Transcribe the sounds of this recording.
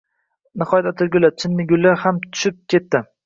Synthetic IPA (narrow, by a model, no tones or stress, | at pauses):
nɪχɒjat̪ɒt̪ʰɪɾɡʲʊlat͡ʃʰɪnːɪɡʲʊlːaɾhamt̪ʰʊ̥ʃɪp̚kʲʰe̞t̪ːɪ